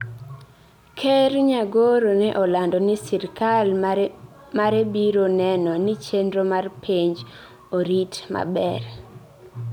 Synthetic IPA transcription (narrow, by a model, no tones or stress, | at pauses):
kʰeɾɲaɡoɾonɛʔɔlandɔnɪsɪɾkal | maɾebiɾonɛnɔnit͡ʃendɾomarpʰiɲd͡ʒ | oɾitma̰bɛr